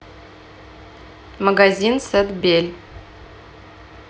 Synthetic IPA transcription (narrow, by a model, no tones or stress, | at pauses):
maɡazʲinsət̪bʲelʲ